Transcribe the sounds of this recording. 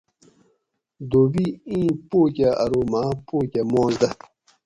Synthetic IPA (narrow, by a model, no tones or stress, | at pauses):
d̪oːbiĩːpoːkʲaɐ̰ɾomaːpoːkʲamõːzd̪ɐ